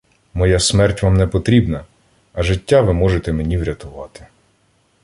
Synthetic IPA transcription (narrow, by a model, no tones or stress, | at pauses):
mɔjasmɛrtʲʋɑmnɛpɔt̪ɾʲibnɐ | ɐʒɪtʲːaʋɪmɔʒet̪ɛme̞nʲiʋɾʲɐt̪ʊʋɑt̪ɪ̥